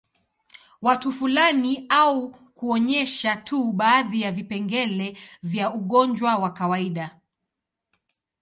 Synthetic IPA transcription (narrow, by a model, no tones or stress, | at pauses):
watufulaniau | kuɔɲɛʃatʰuɓaːðijavipɛŋɡɛlɛvjauɠɔɲd͡ʒwawakawaiɗa